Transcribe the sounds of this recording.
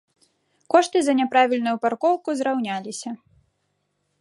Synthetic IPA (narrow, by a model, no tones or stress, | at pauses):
kɔʂt̪ɨzɐnʲɛpɾavʲilʲnujuparkɔwkuzɾawnʲalʲisʲɐ